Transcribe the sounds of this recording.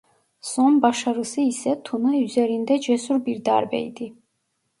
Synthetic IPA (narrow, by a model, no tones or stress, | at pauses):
sɔmbaʃaɾɨsɨisɛt̪ʰunayzɛɾind̪ɛd͡ʒɛsuɾbiɾd̪a̰ɾbɛ̰jd̪i